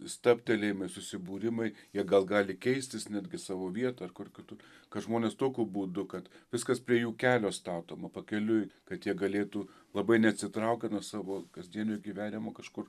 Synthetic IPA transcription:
st̪ɑpʲt̪ʲɛlʲeːjmɐɪsʊsʲɪbuːɾʲɪmɐɪjiɛɡɐlˠɡɑːlʲɪkʲɛɪsʲt̪ʲɪsnʲæːd̪ʲɡʲɪsɑːʋoːʋʲiɛt̪ɐɐrkʊrkʲɪt̪ʊkɐtʒmoːnʲeːst̪oːkʲuːbuːd̪ʊkɐt̪ʋʲɪskɐspʲɾʲiɛjuːkʲæːlʲoːst̪ɑːt̪oːmɐpɐkʲɛlʲʊjkɐt̪jiɛɡɐlʲeːt̪uːlˠɐbɐɪnʲɛɐt̪ʲsʲɪt̪ɾɐʊkʲɛnuɔsɑːʋoːkɐzʲd̪ʲiɛnʲoːɪɡʲiʋʲæːnʲɪmoːkɐʃkʊr

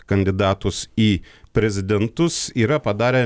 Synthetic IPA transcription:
kɐnʲd̪ʲɪd̪ɑːt̪ʊsiːpʲɾʲɛzʲɪd̪ʲɛnt̪ʊsiːɾɐpɐd̪ɑːɾʲe

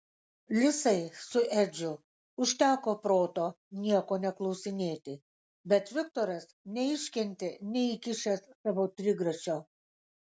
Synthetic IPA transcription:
lʲɪsɐɪsʊʔɛd͡ʒʲʊ | ʊʃʲt̪ʲæːkoːpɾoːt̪oː | nʲiɛkoːnʲɛklˠɒʊsʲɪnʲeːt̪ʲɪ | bʲɛt̪ʋʲɪkt̪oːɾɐsnʲɛɪʃʲkʲɛnʲt̪ʲenʲɛɪkʲɪʃʲɛsːɑʋoːt̪ʲɾʲɪɡɾɐt͡ʃʲoː

